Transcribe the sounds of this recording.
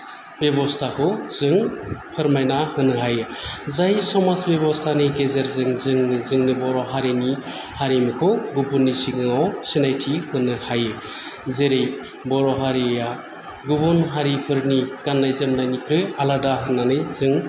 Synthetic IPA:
bebɔst̪ʰakʰɔzɯŋpʰɯɾmajnahɯnɯɦajɯ | zajsɔmasbjebɔst̪ʰanɯjɡezeɾzɯŋzɯŋnɯzɯŋnɯbɔɾɔɦaɾini | haɾimikʰɔɡupuɾnːisiɡɯŋawsinajtʰihɯnɯhajɯ | zeɾej | bɔɾɔɦaɾija | ɡubɔnɦaɾipʰɯɾnikanːajzemnajnikʰɾɯjaladaɦɯnːanɯjzɯŋ

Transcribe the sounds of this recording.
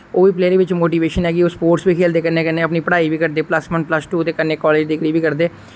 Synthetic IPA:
oːʋiːpleːɾeːʋɪt͡ʃmoːʈiːʋeːʃənɦɛːɡiːʊspoːɾʈsbiːkʰeːld̪eːkəneːkəneːəpniːpəɽaːiːbiːkəɾd̪eːpləsʋənpləsʈuːt̪eːkəneːkɔːleːd͡ʒd̪ɪkɽiːbiːkəɾd̪eː

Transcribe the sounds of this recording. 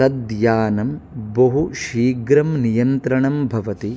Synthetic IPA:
ɐd̪jaːnɐmbɐɦuʃiːɡɾɐmnijɐnt̪ɾɐɳɐmbʱɐʋɐt̪i

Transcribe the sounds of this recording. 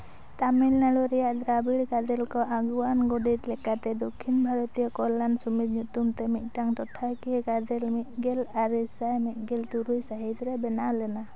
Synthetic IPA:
t̪amilnaɭɔɾɛjaʔd̪ɾabiɽkad̪ɛlkɔʔaɡuanɡɔɖit̪lɛkat̪ɛd̪ɔkʰːinbʱaɾɔt̪ijɔkɔlːansumid̪ɲut̪umt̪ɛmit̪̚ˀʈaŋʈɔʈʰakiɛɡad̪ɛlmit̪̚ˀɡɛlaɾisajmit̪̚ˀɡɛlt̪uɾujsaɦit̪ɾɛbɛnalɛna

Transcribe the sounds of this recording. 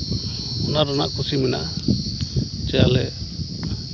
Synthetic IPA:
ɔnaɾɔnaʔkʰusimɛna̰ | t͡ʃɛjalɛ

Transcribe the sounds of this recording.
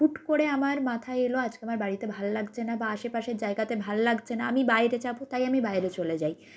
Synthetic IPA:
uʈkoɽeamaɾmat̪ʰaeeload͡ʑkeamaɾbaɽit̪ebʱalolaɡt͡ɕʰenabaaʃepaʃeɾd͡ʑaeɡat̪ebʱalolaɡt͡ɕʰenaa̰mibaeɾet͡ɕabut̪ajamibaeɾet͡ɕoled͡ʑaj

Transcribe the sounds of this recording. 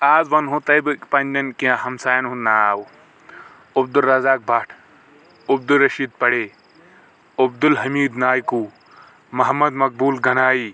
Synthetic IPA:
aːzʋɐnɦõt̪ɐjbɨkpɐnʲd̪ʲɐnkĩãɦɐmsaːjɐnɦũnaːaːw | ub̚d̪ulːɐzaːk̚bʱɐʈʰ | ub̚d̪uɾːɐʃiːd̪̚pɐɽeː | ɐb̚d̪ulɦɐmiːd̪naːjkuː | mɐɦɐmːɐd̪mɐk̚buːlɡɐnaːiː

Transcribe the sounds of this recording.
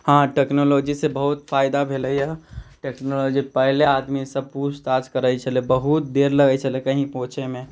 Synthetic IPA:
hãʈeːknoloːd͡ʒisebəɦʊt̪fʰaːɪd̪abʱeːləiaʈeːknoːloːd͡ʒipɛɦleaːd̪misəb̚puːst̪aːd͡ʒkəɾəit͡ʃʰəlebəɦut̪̚d̪eːɾləɡəit͡ʃʰəlekəɦĩpõːt͡ʃʰemẽ

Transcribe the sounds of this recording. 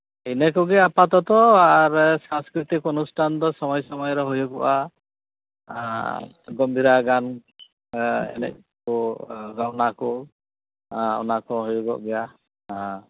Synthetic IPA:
inɛkɔɡɛapat̪ɔt̪ɔaɹsãŋskɹit̪ikɔnustʰand̪ɔsɔmɔjsɔmɔjɾɔɦojɔɡɔʔa | ɡɔmbʱiɾaɡan | ɛ̰lɛ̰k̚ | kɔɡawnakɔ | ɔ̰nakɔɦojuɡɔ̰ʔɡɛja | a

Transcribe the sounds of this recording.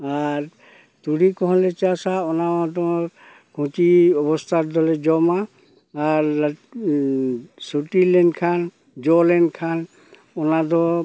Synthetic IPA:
aɾ | t̪uɽikɔɦɔ̃let͡ʃasaɔnad̪ɔɾ | kʰũt͡ʃiɔbɔst̪ʰaɾd̪ɔled͡ʒɔma | aɾ | suʈilenkʰan | d͡ʒɔlenkʰan | ɔnad̪ɔ

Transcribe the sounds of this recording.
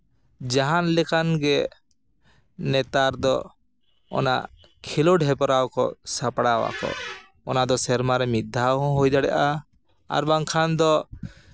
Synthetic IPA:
d͡ʒaɦanlɛkanɡɛ | nɛt̪aɾd̪ɔ | ɔ̰na̰ | kʰilɔɖɦɛpɔɾawkɔ̰sapɽawa̰kɔ̰ | ɔnad̪ɔsɛɾmaɾɛmid̪ʱːawɦɔ̃ɦojd̪aɽɛʔa | a̰ɾbaŋkʰand̪ɔ

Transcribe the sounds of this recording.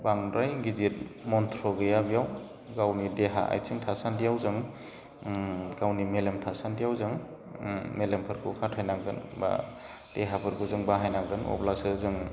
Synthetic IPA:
baŋɾajɡizit̚mɔntʰɾɔɡɯjabijaw | ɡawnideɦa̰ʔa̰jsʰiŋtʰasandijawzɯŋ | ɡawnimelemtʰasandijawzɯŋ | melempʰɯɾkʰṵkʰatʰajnaɡɯnba̰ | d̥eɦapʰɯɾɡuzɯŋbaɦajnaɡɯnɔ̰blak̚sɯzɯŋ

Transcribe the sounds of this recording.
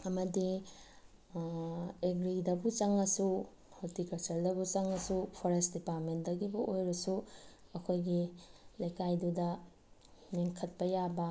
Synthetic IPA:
ɐmɐdi | eɡɾidɐbut͡ʃɐŋɐsu | holtikɐlt͡ʃɐɾdɐbut͡ʃɐŋɐsupʰoɾesdipaɾmentdɐɡibɐʔojɾɐsuɐkʰojɡilɐjkajdudɐ | meŋkʰɐt̚pɐjabɐ

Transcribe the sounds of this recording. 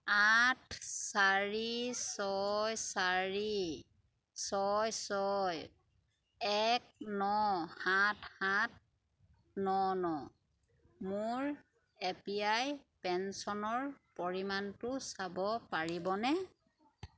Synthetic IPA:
atʰsaɹisɔjsaɹi | sɔjsɔj | ɛk̚nɔhatʰhat̚ | nɔnɔ | mʊɹ | ɛpiajpɛnsɔnɔɹpɔɹimantʊsabɔpaɹibɔnɛ

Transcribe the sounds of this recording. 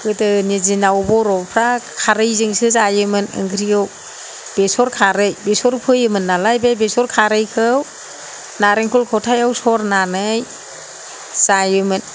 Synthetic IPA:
kɯtɯnizinawbɔɾɔpʰɾakʰaɾɯjzɯŋsɯzajɯmɯnɯ̰ŋɡʰɾiɯw | b̥esɔɾkʰaɾɯjbesɔɾpʰɯjɯmɯnːalajbebesɔɾkʰaɾɯjkʰɯw | naɾeŋkʰulkʰɔwtʰajawsɔɾnanɯj | sajɯmɯn

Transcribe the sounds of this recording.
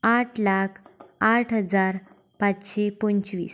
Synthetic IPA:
aʈʰlakʰaʈʰɦəd͡zaɾ | pat͡sɕepənt͡ɕʋḭːs

